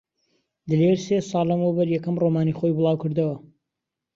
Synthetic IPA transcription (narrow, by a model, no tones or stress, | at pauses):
d̪ɨleɾseːsɑːlɐmɐwbɐɾjɛkɐmromaːniχojbɨlˠɑːwkɨɾd̪ɐwɐ